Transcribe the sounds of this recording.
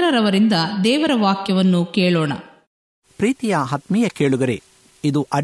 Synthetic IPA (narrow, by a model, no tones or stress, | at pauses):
ɾɐɾɐʋɐɾind̪ɐd̪ɛːʋɐɾɐʋaːkjɐʋɐnːukeːɭoːɳɐ̰ | pɾiːt̪ijɐɦɐt̪mijɐkeːɭuɡɐɾe | id̪uʔɐ